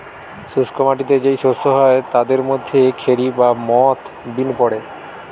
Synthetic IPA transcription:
suskomaʈit̪ed͡ʑejʃost̪oɦɔet̪ad̪eɾmod̪ʱːekʰeɾibamɔt̪ | binpɔɽe

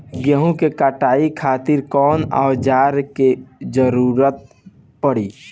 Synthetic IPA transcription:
ɡəɦũkekaʈaːikʰaːt̪ɪɾkɔːna̰wd͡ʒaːɾked͡ʒəɾuɾət̪̚ | pəɽi

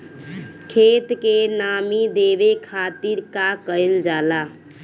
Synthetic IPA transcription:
kʰet̪kenamid̪ebekʰat̪iɾkakəjld͡ʒala

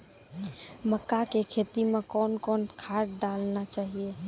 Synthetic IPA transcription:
məkːakekʰeːt̪imẽkɔːnkɔːnkʰaːʈɖaːlnat͡ʃaːɦie

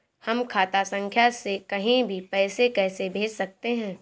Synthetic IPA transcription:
hɐmkʰaːt̪asɐ̃ŋkʰjasekɐɦĩbʱipɛːsekɛːsebʱeːd͡ʒsɐk̚t̪eɦɛ̃ː

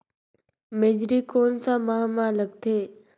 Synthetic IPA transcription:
med͡ʒɾiːkoːnsãmaɦmãləkt̪ʰeː

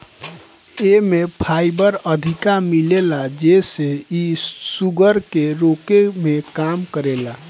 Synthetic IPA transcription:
emepʰajbəɾəd̪ʱikamilelad͡ʒeseisuɡəɾkeɾokemekamkəɾela

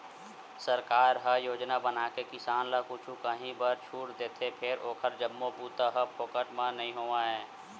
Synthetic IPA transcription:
səɾkaːɾɦəjoːd͡ʒnabənaːkekɪsaːnlakʊt͡ʃʰukəɦĩbəɾt͡ʃʰuːʈd̪eːt̪ʰepʰɪɾoːkʰəɾd͡ʒəmːopuːt̪əɦəpʰoːkəʈmãnɐɦĩɦoːaɦɛː

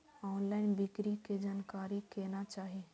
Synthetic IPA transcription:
ɔːnlaːɪnbɪkɾiked͡ʒaːnkaːɾikeːnat͡ʃaːɦe

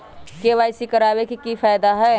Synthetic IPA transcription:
keʋaːjsikəɾaːβekikifʰaːjd̪aɦɛ

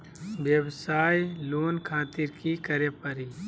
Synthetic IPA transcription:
ʋjəbsaːjloːnkʰaːt̪iɾkikɐɾjəpəɾi

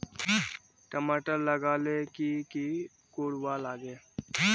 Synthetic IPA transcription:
ʈəmaːʈəɾləɡaːlekiki | koːɽwaːlaːɡee

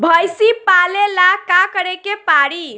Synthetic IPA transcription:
bʱəjsipalelakakəɾekepaɽi

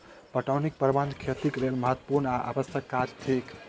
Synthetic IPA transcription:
pəʈawnik̚pəɾband̪kʰet̪ikelelməɦət̪wə̥puɾnaʔa̰bəst̪ʰjəkːad͡ʒt̪ʰek

